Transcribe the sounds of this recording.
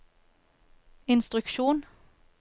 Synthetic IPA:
ɪnst̪ʁʉkʃuːn

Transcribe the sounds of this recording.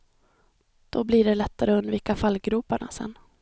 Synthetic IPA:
d̪̥ɔblɪɖɛlɛt̪ːaɾəɵnd̪viːkafalɡɾʉːpaɳa̰sɛ̰nː

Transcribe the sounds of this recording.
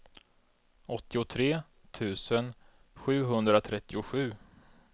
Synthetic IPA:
ɔt̪ːɪʊt̪ʰɾeː | t̪ʰʉ̟ːsən | ɧʉ̟ːɦɵnd̪ɾat̪ʰɾɛt̪ːɪʊɧʉ̟ː

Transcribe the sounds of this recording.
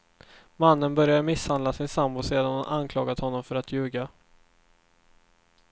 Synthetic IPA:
manːənbœɾjad̪əmɪshand̪lasɪnsambʊseːd̪anhʊnʔankʰlɑːɡat̪hɔnːɔmfœɾat̪jʉ̟ːɡa

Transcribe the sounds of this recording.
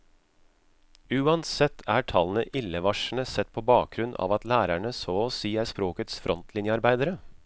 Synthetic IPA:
ʉːɑnsɛt̪ʰːæːʈʰɑlnəʔɪlːəʋɑʂɳ̩əsɛt̪̚ːpʰoːbɑːk̚ɡɾʉnɑ̰ːʋɑt̪læːɾæɳəsoːɔsiːæɾspɾoːkət̪sfɾʔɔnt̪ʰlɪnjəɑɾbæɪd̪əɾə

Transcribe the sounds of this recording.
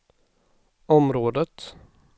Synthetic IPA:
ɔmɾoːd̪ət̪

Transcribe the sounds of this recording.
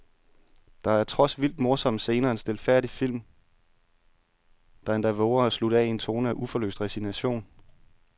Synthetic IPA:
d̥ɑ̈æɐt͡sʰʁɒ̽sʋil̰d̥mo̝ɐsɒ̽m̰se̝ːnɐensd̥e̝lfæɐ̰d̥ifil̰m | d̥ɑ̈end̥æʋoʊɐæsluɾ̥ɛie̝nt͡sʰo̝̰ːnəæʔufɒ̽lø̰ːsd̥ʁɛsinæɕo̝̰ːn

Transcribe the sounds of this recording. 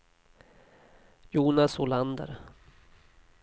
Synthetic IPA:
juːnasʊland̪ə̰ɾ

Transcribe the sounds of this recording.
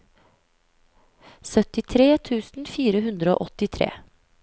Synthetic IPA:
sœt̪ɪt̪ʰɾeːt̪ʰʉːsn̩fiːɾəɦʉnd̪ɾəo̰ːʔɔt̪ɪt̪ʰɾḛː

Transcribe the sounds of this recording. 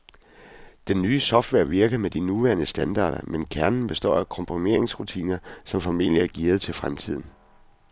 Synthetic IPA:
d̥enːyːsɒ̽fd̥ʋeɐ̰ʋiɐɡ̥ɐmed̥inuʋæɐnəsd̥ænd̥ɑ̰̈ːɾ̥ɐmenkʰæɐnn̩b̥e̝sd̥ɒ̰ːækʰɒ̽mpʰʁime̝ɐeŋsʁut͡sʰḭːnɐsɒ̽mfɒmeːlijæɐɡ̥ḭːɐð̞ˠt͡sʰe̝lfʁamt͡sʰið̞̰ˠn̩

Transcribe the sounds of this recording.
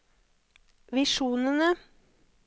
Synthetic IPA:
ʋɪʃuːnənə

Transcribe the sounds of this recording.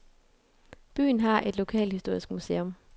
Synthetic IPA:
b̥y̰ːn̩ɦɑ̈ʔe̝d̥lo̝kʰɛ̰ːlhisd̥o̝ɐ̰isɡ̥musḛːɔm

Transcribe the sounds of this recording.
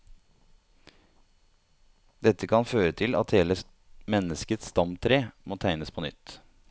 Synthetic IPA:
d̪ɛt̪ːəkʰɑnføːɾət̪ʰɪlɑ̰t̪heːlə | mɛnəskət̪st̪ɑmt̪ʰɾeːmoːt̪ʰæɪnəspʰoːnʏ̰t̪

